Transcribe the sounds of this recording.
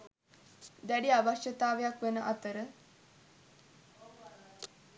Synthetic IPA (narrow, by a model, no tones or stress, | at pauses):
d̪æɖiabaʃət̪aːʋejakʋenəʔat̪əɾə